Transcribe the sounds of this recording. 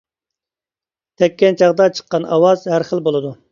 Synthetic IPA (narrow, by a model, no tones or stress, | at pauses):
t̪ʰɛkʲːɛnt͡ʃʰɑʁd̪ɑt͡ʃʰə̥qːɑnɑ̰wɑz̥hæɾχəlˠbolˠɨd̪u